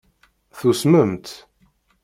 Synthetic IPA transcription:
θusməmt̪

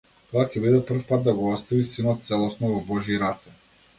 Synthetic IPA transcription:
t̪ɔakʲɛbid̪ɛpr̩fpad̪̚d̪aɡɔɔt̪st̪avisinɔt̪̚t̪sɛlˠɔsnɔvɔbɔʒiɾat̪sɛ

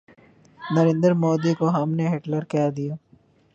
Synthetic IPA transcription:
nɐɾẽːnd̪əɾmoːd̪ikoɦɐmneɦeʈləɾkɛːd̪ijaː

